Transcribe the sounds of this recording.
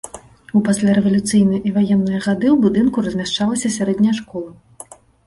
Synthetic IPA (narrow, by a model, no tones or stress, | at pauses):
upasʲlʲaɾɛvɐlʲut̪sɨjnɐjʔivajɛnːɨjɐɣad̪ɨwbud̪ɨnkuɾɐzʲmʲaʂt͡ʂalˠɐsʲɐsʲaɾɛd̪ʲnʲɐjʂkɔlˠɐ